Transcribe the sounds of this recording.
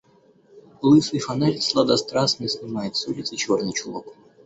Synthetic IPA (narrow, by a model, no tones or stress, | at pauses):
lˠɨsɨfɐnɛlʲt̪slˠad̪ɐst̪ɾasnɨsnɨmajɪt̪sulʲɪt̪sɨt͡ɕornɨjt͡ɕulˠok